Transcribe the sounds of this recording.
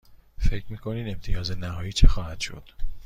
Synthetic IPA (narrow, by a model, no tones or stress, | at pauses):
fe̞cʰɾmiːkʰo̞niːd̪e̞mt̪ʰijɒːzenæɦɒːjiːt͡ʃʰexɒːhæd̪̥ʃo̞̰d̪̥